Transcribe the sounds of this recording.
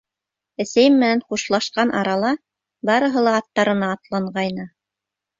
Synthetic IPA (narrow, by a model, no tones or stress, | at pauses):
ɘ̆sæjɘmːɘ̆nænχuʃlˠɑʃqɑnʔɑɾɑlˠɑ | bɑɾɤ̆ɦɤ̆lˠɑːt̪ːɑɾɤ̆nɑːt̪lˠɑɴɢɑjnɤ